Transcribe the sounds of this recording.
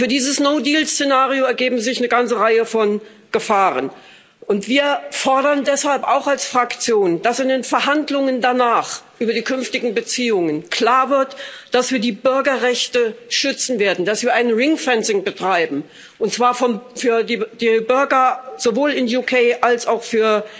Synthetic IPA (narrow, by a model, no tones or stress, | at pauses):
fyːɐdiːzəsnoʊdiːlst͡senaːʁioɛɐɡeːbm̩zɪçnəɡant͡səʁaɪəfɔn | ɡ̥əfaːʁə̰n | ʔʊntv̥iːɐfɔɐɾɐndɛshalpaʊxalsfʁ̥akt͡sjoːnd̥asɪndeːnfɛɐɦandlʊŋəndanaːχʔyːbɐdiːkʰʏnftɪɡŋ̩bət͡siːʊŋənkʰl̥aːɐvɪɐtd̥asv̥iːɐdiːbʏɐɡɐʁɛçtəʃʏt͡sn̩veːɐdn̩d̥asv̥iːɐʔaɪnʁɪŋfɛnsɪŋbətʁ̥aɪbm̩ | ʔʊntt͡sv̥aːɐfɔnfyːɐdiːd̥iːbʏɐɡɐz̥ovoːlɪnjukʰeɪʔalsaʊxfyːɐ